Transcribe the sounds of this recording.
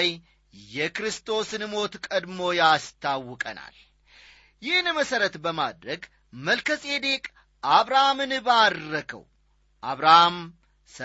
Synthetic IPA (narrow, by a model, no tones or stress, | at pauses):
j | jɛkɾɨst̪ʰo̞sɨnmo̞t̪kʼəd̪mo̞jast̪ʰawːɨkʼəna̰l | jɪhnməsəɾət̪bəmad̪ɾəɡ | məlkʰəsʼed̪e̞kʼ | ʔaβɾahamɨnɨbaːəkʰə̰w | ʔaβɾaham | sə